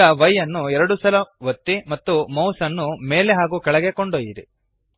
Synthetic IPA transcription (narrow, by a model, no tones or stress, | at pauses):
ɐʋɐjːɐnːuɛɾɐɽusɐlɐʋɐt̪ːimɐt̪ːumɐwsɐnːume̞ːleɦaːɡuːkɛɭɐɡekoɳɖoːjiɾḭ